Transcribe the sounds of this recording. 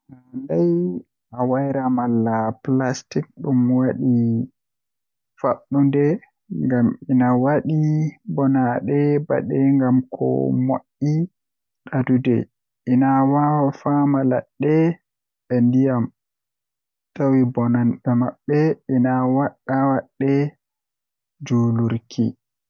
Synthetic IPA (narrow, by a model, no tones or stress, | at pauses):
nandaj | ʔawajɾamalːaplastik̚ɗumwaɗi | faɓːundɛ | ŋɡaminawaɗibɔnaɗɛba̰ɗɛŋɡamkʰɔ̰moʔːi | ɗadudɛ̰ | ʔinawawafamalaɗːɛ | ɛndijam | tawibɔnanɓɛmaɓːɛʔinawaɗːawaɗːɛ | d͡ʒuluɾkʰḭ